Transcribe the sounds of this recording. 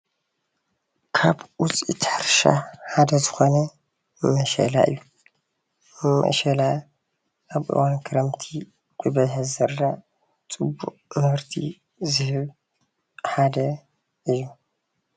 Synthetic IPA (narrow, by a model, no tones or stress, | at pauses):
kʰaβʔʊt͡sʼḭt̪ʰaɾʃa̰ħad̪ɐzɨxonɐ | mɐʃɐ̰la̰ʔɨ̰jːu | mɐ̰ʃɐla | ʔaβʔɨ̰wankʰɨɾɐmt̪ʰi | kʼubɐjħɐzɐɾːa | t͡sʼɨbːṵʔʼmɐfɾt̪ʰḭ | zɨhɨβ | ħad̪ɐ | ʔɨjːu